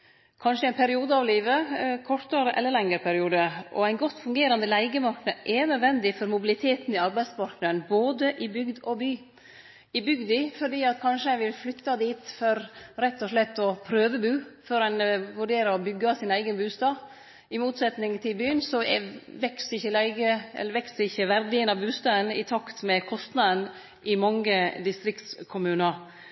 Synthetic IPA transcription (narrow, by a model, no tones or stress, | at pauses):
kʰɑnʂəɪnpʰæɾɪuːd̪əɑʋliːʋəkʰɔɾt̪əɾʔɛ̰lːəɭɛŋəɾpʰæɾɪuːd̪əʔɔ̰æɪnɡɔt̪ːfʉŋɡeːɾɑnd̪əlæɪɡəmɑɾknəʔɛnød̪ʋɛnd̪ɪfɔɾmʊbɪlɪt̪ʰeːt̪nɪɑɾbæɪd̪spɑɾknəɾənboːd̪əʔɪbʏɡd̪ɔbyː | ɪbʏɡd̪ɪfɔɖiːɑt̪kʰɑnʂəæɪʋɪlflʏt̪ːɑd̪iːt̪fɔɾɾɛt̪ːɔʂlɛt̪ːɔpʰɾøːʋəbʉːfɔɾænʋʉɖeːɾəɔbʏɡːɑsɪnæɪɡənbʉːst̪ɑː | ɪmuːt̪sɛt̪nɪŋt̪ʰɪlbyːənsɔʋɛksəɪçːəlæɪɡəɛ̰lːəɾʋɛksəɾɪçːəʋæɾd̪ɪənɑbʉːst̪ɑːd̪ənɪ̰t̪ʰɑkt̪mɛkʰɔst̪nɑd̪ən | ʔɪmɑŋːəd̪ɪst̪ɾɪkt̪skʰʊmʉːnəɾ